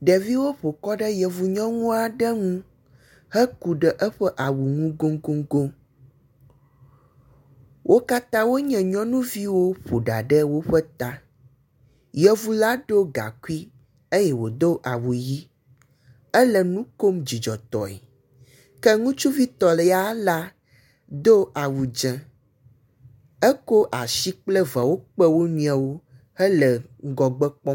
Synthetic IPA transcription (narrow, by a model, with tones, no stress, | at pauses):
ɖɛ˨vi˦wo˦ɸo˨kɔ˦ɖə˦jə˨vu˨ɲɔ̃˦ŋũ˦a˨ɖə˦ŋũ˦ | hɛ˦ku˨ɖə˨ʔə˦ɸə˦ʔa˨wu˨ŋũ˦ɡo˦ŋɡo˦ŋɡo˦m | wʔo˦ka˦t̪ã˦wo˦ɲɛ̃˨ɲɔ̃˦nũ˦vi˦wo˦ɸo˨ɖa˨ɖə˦wo˦ɸə˦t̪a˦ | jə˨vu˨la˦ɖo˦ɡa̰˨ku˦i˦ | e˦jɛ˦wo˨d̪o˦ʔa˨wu˨ji˦ | ɛ˦lɛ˨nũ˦ko˦md͡ʑi˨d͡ʒɔ˨t̪ɔ̰˨ɛ̰˨ | kɛ˦ŋũ˦t͡ʃu˦vi˦t̪ɔ˨lɛ˨ja˦la˦ | d̪o˦ʔa˨wu˨d͡ʒɛ̃˨ | ɛ˦ko˦ʔa˨ʃi˦k͡plɛ˦va˨wo˦k͡pɛ˦wo˦ɲũ˦a˨wo˦ | hɛ˦lɛ˨ɡɔ˨ɡ͡bɛ˦k͡pɔ˦